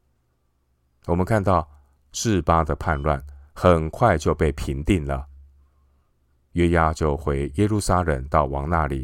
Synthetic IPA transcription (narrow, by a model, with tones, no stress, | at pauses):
wɔ˨˩mə˦nkʰa˥˧nt̪ɑ˥˧ʊ | ʂɻ̩˥˩pa˥d̪ə˨pʰa˥˧nlwa˥˩nxə˨˩nkʰwa˥˧ɪt͡ɕjo˥˧ʊpe˥˩ɪpʰi˧˥nt̪i˥˩nlə˩ | ɥɛ˥ja˥t͡ɕjo˥˩ʊxwe˧˥ɪjɛ˥lu˥˩sa˥ɻə˨˩ŋt̪ɑ˥˩ʊwɑ˧˥ŋna˥˩li˨˩˦